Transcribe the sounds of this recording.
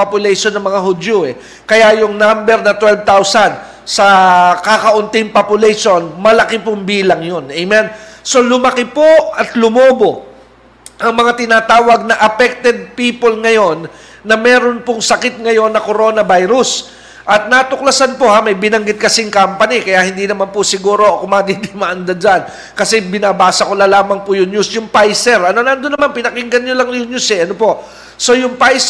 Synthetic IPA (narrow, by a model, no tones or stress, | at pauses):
opjʊlɛjʃonːɐŋmɐŋaɦʊd̪joɛ | kɐjajʊŋnambɛɾnɐt̪wɛlv̚t̪awsɐn | sɐkakɐʔʊnt̪ɪŋpopʊlɛjʃonmɐlɐkɪpʊŋbiːlɐŋjo̞nʔɛjmɛnso̞lʊmɐkɪpoɐt̪lʊmoːbo̞ | ʔɐŋmɐŋat̪ɪnaːt̪aːwɐɡ̚nɐʔɐpɛk̚t̪ɛd̪̚piːpolŋɐjo̞nː | ɐmɛːɾonpʊŋsɐkɪt̪̚ŋɐjo̞nːɐko̞ɾo̞nɐbajɾʊs | ʔɐt̪̚nat̪ʊklɐsanpohamɐjbɪnɐŋɡɪt̪̚kɐsɪŋkampɐnikɐjahɪnd̪inɐmanpʊsɪɡuːɾo̞ʔokʊmaːd̪id̪ɪmaʔɐnd̪ɐd͡ʒan | kɐsɛbɪnaːbaːsɐko̞lɐlaːmɐŋpʊjʊŋɲusjʊŋpajsɛɾʔɐnonɐɐnd̪ʊnːɐmanpɪnɐkɪŋɡɐnɲolɐŋjʊŋɲʊsɛʔɐnopo̞ʔ | so̞jʊŋpajs